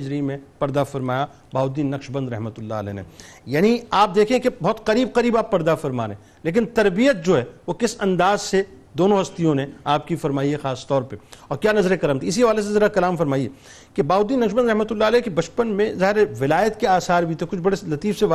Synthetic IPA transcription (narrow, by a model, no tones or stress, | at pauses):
d͡ʒɾimẽpɐɾd̪afɐɾmaːja | baːɦʊd̪ːiːnːɐkʃbɐ̃nd̪ɾɐɦmət̪ʊlːa̰ə̰lɛ̰ːnḛjaːniaːp̚d̪eːkʰẽkebɔːt̪qɐɾiːb̚qɐɾiːbaːpːɐɾd̪afɐɾma̰ːɾḛ̃ː | leːk̬ɪnt̪ɐɾbijət̪̚d͡ʒoːɦɛːʋokɪsɐ̃nd̪aːzsed̪oːnõɦɐst̪ijõneaːp̚kifɐɾmaːiɦɛxaːst̪ɔːɾpeɔːɾkjaːnɐzɾekɐlamt̪ʰiɪsiɦɐʋaːles̬ezɐɾakɐlaːmfɐɾmaːiḛ | kebaːʊd̪ːiːnːɐkʃbə̃nd̪ɾɐɦmət̪ʊlːaɐlɛːkebɐt͡ʃpənmẽzaːɦɪɾeʋɪlaːjət̪keaːsaːɾbʱit̪ʰekʊt͡ʃʰbɐɽelɐt̪iːfseʋa